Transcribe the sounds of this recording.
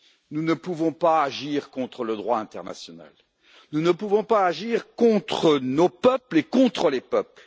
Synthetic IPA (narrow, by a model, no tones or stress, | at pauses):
nunəpuvɔ̃paːʒiʁkɔ̃t̪χələd̪ʁwaɛ̃t̪ɛʁna̰sjɔna̰l | nunəpuvɔ̃paːʒiʁkɔ̃t̪χənopœplekɔ̃t̪χəlepœpl